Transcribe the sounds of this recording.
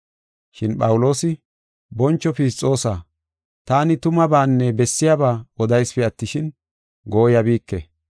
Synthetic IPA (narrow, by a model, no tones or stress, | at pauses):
ʃɪnpʼɐwʊlo̞ːsɪ | bɔnt͡ʃːɔfiːst͡sʼːo̞ːsa | t̪aːnɪt̪ʊmɐbaːnːɛbɛsːɪjabaːɔd̪ɐjspɛɐt̪ːɪʃɪn | ɡo̞ːjɐbiːkːɛ